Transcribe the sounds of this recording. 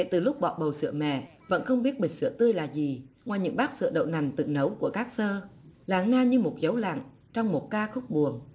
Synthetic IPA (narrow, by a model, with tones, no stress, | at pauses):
kḛ˧˩˨t̪ɨ˨˩lʊ˦˥k͡p̚ɓɔ̰˧˨ɓə˨˩wsɨ̰˧˩əmɛ̰˧˨ | və̰˧˥nxə˧wŋ͡mɓi˦˥ət̚ɓi˨˩ŋ̟sɨ̰˧˩ət̪ɨ˧əjlaː˨˩zi˨˩ŋwaː˨˩jɲɨ̰˧˥ŋɓaː˦˥k̚sɨ̰˧˨əɗə̰˧˨wna˨˩jŋ̟t̪ɨ̰˨˩nə˨˦wku˧˩əkaː˦˥k̚səː˧laː˨˩˦ŋnaː˧ɲɨ˧mo˨˩t̚zə˨˦wla̰˧˨ŋ | t͡ɕɔ˧wŋ͡mmo˨˩t̚kaː˧xʊ˦˥k͡p̚ɓu˨˩əŋ